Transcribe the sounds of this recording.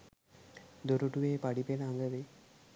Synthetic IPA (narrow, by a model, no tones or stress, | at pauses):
d̪oɾuʈuʋeːpaɖipelɐaŋɡəʋe